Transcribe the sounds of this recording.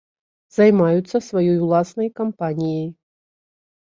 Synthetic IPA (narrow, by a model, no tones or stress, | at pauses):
zajmajut̪sːɐsvajɔjulˠasnɐjkampanʲijej